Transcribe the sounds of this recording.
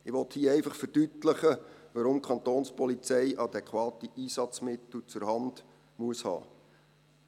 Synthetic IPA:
ɪʋɔt̪hiəɛɪfɑχfərd̥ytləχəʋɑɾʊmkʰɑnt̪oːnspɔlit͡sɛɪʔɑd̪ɛkχʋɑːt̪iʔiːsɑt͡smɪt̪l̩t͡sʊɾhɑnd̥ | muəshɑ̰ː

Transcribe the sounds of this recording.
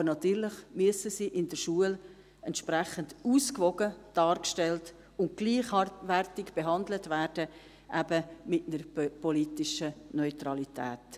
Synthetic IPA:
ɑbənɑt̪yːɾlɪχmyəsəsiːʔɪndəɾʃuəl | ɛntʃpɾæχənduːskvɔɡəd̥ɑːrkʃtɛlt | ʊntɡ̥liːχʋærtɪkb̥eɦɑndlətvæːrd̥ə | ʔæbəmɪtnəɾpɔlitɪʃənœʏtrɑlitʰæ̰ːt

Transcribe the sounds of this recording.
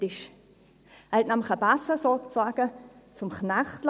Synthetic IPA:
ɪʃ | hɛt̪næmləχəbasəsoːt͡saɡ̥ət͡sʊmχnaχtl

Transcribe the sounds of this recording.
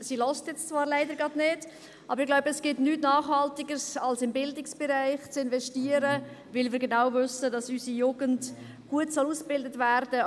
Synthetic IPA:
silɔstjɛt͡st͡svɑːɾlæɪdəɾɡɑdneːd | ʔɑbəɾɪɡlaʊbəɛsɡ̥ɪtnyːtnɑːχhɑltɪɡəɾsɑlsɪmbɪldɪksb̥ɛɾæɪχt͡sɪnvɛʃtiːəɾə | vɪlvɪːɾɡenaʊvʏsədɑsysijuːɡənt | ɡ̥uətsɔluːsb̥ɪldətvæɾd̥ə

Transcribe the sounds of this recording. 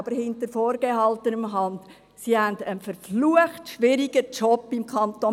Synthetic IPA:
bəɾhɪntəɾfɔːɾɡ̥eɦɑltənəmɦɑnd | sihændənfəɾfluəχtʃʋɪɾiɡ̥ət͡ʃɔpːimkʰɑnto

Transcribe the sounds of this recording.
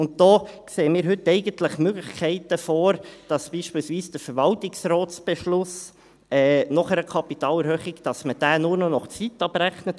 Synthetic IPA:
ʊnt̚d̥̪ɔːkseːmiːɾɦʏtːɛɪɡəntləχmøɡləxkʰɛɪtəfɔːɾd̥ɑsb̥iːʃpiːlsviːsd̥əɾfəɾʋɑltɪksrɔːtsb̥ɛʃlʊs | ɛːnɔχɛɾəkʰɑpitɑːlɛɾhøːχɪɡd̥ɑsməd̥æːnuːɾnɔnɔχt͡sitɑbɾæχnət

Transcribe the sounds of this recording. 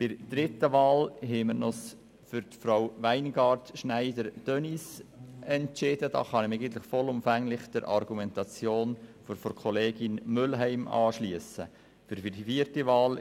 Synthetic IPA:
b̥ɪd̥̪ɾɪt̪əʋɑːlɦɛməɾnɔs | fʏɾt̪fɾaʊʋæɪnɡɑːɾtʃnæɪdəɾd̥œnisɛntt͡ʃɪd̥əd̥ɑ̰ːχɑnɪmæɪɡənt̪lɪχfɔlʊmfæŋlɪχd̥ɛɾʔɑ̰ɾɡumɛnt̪ɑt͡sjoːnfɔɾfɔɾkʰɔleːɡ̥ɪnmʏlɦæɪmɑ̰ːʃliəsə | fyɾfidifirtiʋɑːl

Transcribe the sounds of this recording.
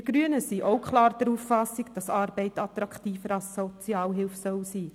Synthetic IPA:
ɪɡ̥ɾyənəsiːʔoʊkχlɑːɾd̥əɾuːfːɑsikd̥ɑsɑɾb̥ɛɪtɑt̪ɾɑktiːfəɾɑlssɔt͡sjɑːlɦɪlfsœwsiː

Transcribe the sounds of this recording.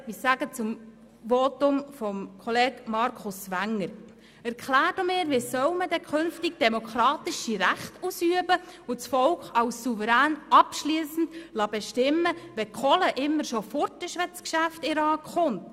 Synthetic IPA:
isæɡ̥ət͡sʊm | ʋɔtʊmfɔmkʰɔleːɡmɑɾkʰʊsʋæŋːəɾ | ɛɾkχlæːɾd̥omɪːɾʋisœwməd̥̪ɛkʰχɵnftiɡ̚d̥ɛmokχɾɑːt̪ɪʃiɾæχtusyəbəot͡sfɔlkχɑʊsːuvəɾæːnɑpʃliəsn̩d̥lɑbɛʃtɪmːəʋɛkʰɔləʔɪmːəɾʃɔfɔɾtəʃʋɛt͡skʃæftiɾɑːkχʊmnt

